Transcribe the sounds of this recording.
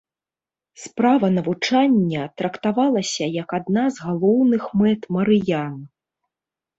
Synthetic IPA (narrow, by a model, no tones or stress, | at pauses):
spɾavɐnɐvut͡ʂanʲːɐt̪ɾɐkt̪avalˠɐsʲɐjɐkad̪nazɣalˠɔwnɨxmɛt̪mɐɾɨjan